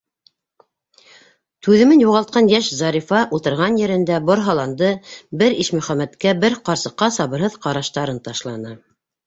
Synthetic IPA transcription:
t̪ʉðɘ̆mɘnjuʁɑlˠt̪̚qɑnjæʃzɑɾʲifɑʔulˠt̪ɤ̆ɾʁɑnjɘ̆ɾɘ̆nd̪æboɾɦɑlˠɑnd̪ɤbɘɾiʃmɵ̆χæmæt̪kæbɘɾqɑɾsɤ̆qːɑsɑβɤ̆ɾɦɤðqɑɾɑʃt̪ɑɾɤnt̪ɑʃlˠɑnɤ

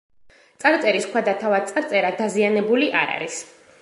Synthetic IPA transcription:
t̪sʼaɾt̪sʼɛɾiskʰwad̪at̪ʰavad̪̚t̪sʼaɾt̪sʼɛɾad̪azianɛbuliʔa̰ɾa̰ɾis

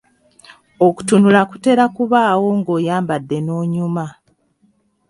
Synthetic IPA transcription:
oku̥tunulaku̥te̞ɾakuβaːwo̞ŋɡo̞ːjaːmbadːe̞no̞ːɲuma

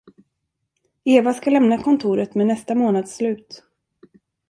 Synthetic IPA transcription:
eːvaskalɛmnakʰɔnt̪ʰuːɾət̪meːnɛst̪amoːnad̪slʉ̟ːt̪

